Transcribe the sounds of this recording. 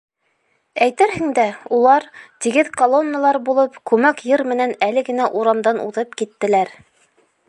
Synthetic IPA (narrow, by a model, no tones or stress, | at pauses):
æjt̪ɘɾhɘ̆ŋd̪æulˠɑɾt̪iɡɘðkolˠo̞nːəlˠɑɾbulˠɤpkʉmækjɤɾmɘ̆nænælɘɡɘ̆næʔuɾɑmd̪ɑnʔṵðɤpkit̪ːɘ̆læɾ